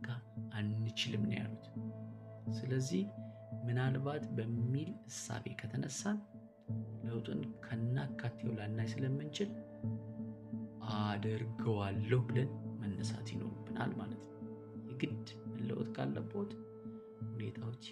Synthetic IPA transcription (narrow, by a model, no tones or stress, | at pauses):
ɡaʔanːɨt͡ʃɪlɨmn̰ja̰lut̪ | sɨləzːih | mɨnalβat̪bəmːilɨsːa̰βe̞̰kʰət̪ʰənəsːan | ləwt̪ʼunkʰənːakʰːat̪ʰːewlanːajsɨləmːɨnt͡ʃɪl | ʔad̪əɾɡəwalːəhbɨlənmənːəsa̰t̪jɪno̞ɾubːɨna̰lmalət̪nəw | jɛɡɨd̪ | ɨlə̰wt̪ʼkʰa̰lːə̰bo̞t̪ʼ | hune̞̰t̪ʰawot͡ʃː